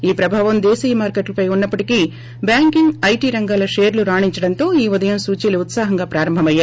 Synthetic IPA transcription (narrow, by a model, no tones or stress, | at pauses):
iːpɾɐbʱaːʋɐmd̪eːsɐjɐmaːɾkeʈlɐpɐjunːɐpːɐʈiki | bjaːŋkiŋɡɐjʈiːɾɐŋɡaːlɐʂeːɾluɾaːɳiɲt͡ʃɐɽɐnt̪o̞ːiːud̪ɐjɐmsuːt͡ʃiːluut̪saːɦɐŋɡaːpɾaːɾɐmbʱɐmɐjːaː